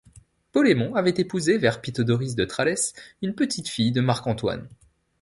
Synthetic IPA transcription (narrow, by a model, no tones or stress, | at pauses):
pɔlemɔ̃avɛt̪epuzevɛʁpit̪ɔd̪ɔʁis̬d̪ət̪χalɛsynpət̪ʰit̪fijd̪əmaʁkɑ̃t̪wa̰n